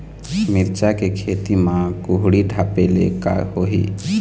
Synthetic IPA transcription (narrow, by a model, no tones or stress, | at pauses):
mɪɾt͡ʃakekʰeːt̪imãkʊɦɽiɖʱaːpelḛka̰ɦoɦḭː